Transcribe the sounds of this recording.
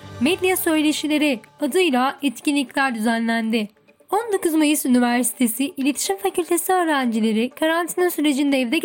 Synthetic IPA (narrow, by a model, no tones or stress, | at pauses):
mɛd̪lʲijasø̞jlʲe̞ʃilʲe̞ɾiad̪ɯjlˠaɛt̪cinlʲicʲlʲæɾd̪yzænlʲænd̪ɪ | ond̪o̞kuzmajɯsynivæɾsi̥t̪ʰe̞siʔilʲet̪ʰi̥ʃimfacʰylʲt̪ʰe̞siø̞ːɾænd͡ʒilʲe̞ɾikʰaɾant̪ʰininsyɾe̞d͡ʒind̪ɛɛvd̪ɛ